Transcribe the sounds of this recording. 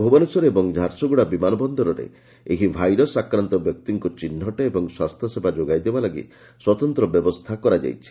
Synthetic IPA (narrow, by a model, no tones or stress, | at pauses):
bʱubɔnesɔɾeebɔŋd͡ʒʱaɾsɔɡuɽabimanɔbɔnd̪ɔɾɔɾḛ | eɦibʱajɾɔsakɾant̪ɔbjɔk̚t̪iŋkut͡ʃinːɔʈeebɔŋswast̪ʰɔsebʱad͡ʒoɡajd̪ebalaɡḭ | swɔt̪ɔnt̪ɾɔbjɔbɔst̪ʰakɔɾad͡ʒa̰jt͡ʃʰi̥